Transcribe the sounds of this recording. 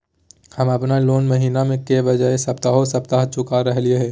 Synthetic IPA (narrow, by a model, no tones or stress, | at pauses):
hɐmɐpnaloːnmɐɦiːnamẽkebɐd͡ʒaesɐpt̪aɦosɐp̚t̪aɦt͡ʃʊkaɾɐɦlieɦɛː